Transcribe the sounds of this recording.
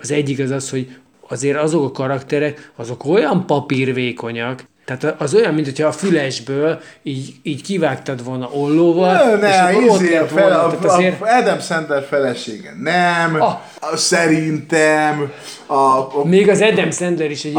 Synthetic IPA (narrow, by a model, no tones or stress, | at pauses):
ɒzɛɟːikɒzɒsho̞ɟ | ɒzeːɾɒzo̞kɒkɒɾɒkt̪ɛɾɛkɒzo̞ko̞jɒmpɒpirveːko̞ɲɒk | t̪ɛɦaːt̪ɒʔɒzo̞jɒmːint̪hocʰɒːfylɛʒbøːliːɟiːɟkivaːkt̪ɒt̪ʋo̞lnɒʔo̞lːoːvɒlnɛʃiotelɛt̪ʋoɛaːt̪eːrɛd̪ɛmsɛnd̪ɛrfɛlɛʃeːɡɛ̰nɛm | sɛɾint̪ɛm | ɒmeːɡɒzɛd̪ɛmsɛnd̪ɛɾiʃɛ